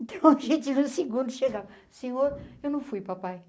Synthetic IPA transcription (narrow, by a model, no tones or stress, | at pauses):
ẽnt̪ʰɐ̃w̃ʒet̪ivũsiɡũnd̪uʃeɡa | sẽɲoɾewnɐ̃w̃fujpapaj